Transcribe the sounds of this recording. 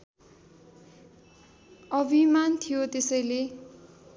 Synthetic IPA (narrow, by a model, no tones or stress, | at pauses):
ʌbʱimant̪ʰijot̪esʌjle